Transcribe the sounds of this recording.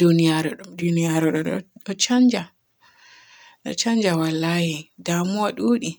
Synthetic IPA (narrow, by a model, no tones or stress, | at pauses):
dunijaɾɔɗumdunijaɾɔɗɔ̰ɗɔt͡ʃand͡ʒa | ɗɔ̰t͡ʃaɲd͡ʒawalːaːhidamuwaɗuːɗi